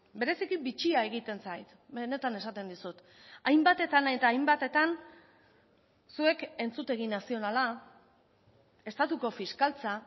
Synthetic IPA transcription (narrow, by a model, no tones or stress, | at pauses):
be̞ɾe̞sikibit͡ʃiae̞ɣ̞it̪e̞nsajt̪ | be̞ne̞t̪ane̞sat̪e̞nd̪isut̪ | ajmbat̪e̞t̪anet̪aːjmbat̪e̞t̪an | sue̞ke̞nt͡sut̪e̞ɣ̞inasio̞nala | e̞st̪at̪uko̞fiskalt͡sa